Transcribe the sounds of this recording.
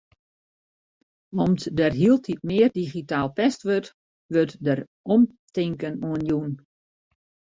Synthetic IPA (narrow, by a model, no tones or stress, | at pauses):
ɔmtdərɦilˠtʰitmɪːərdiχitaːlˠpɛstʋøt | ʋøtdər | ɔmtɪŋkənoənjun